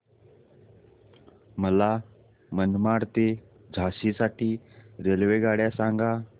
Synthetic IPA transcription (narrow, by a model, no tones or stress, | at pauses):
məla | mənmaɽt̪e | d͡zʱasisaʈiːɾelʋeɡaɽjasaŋɡa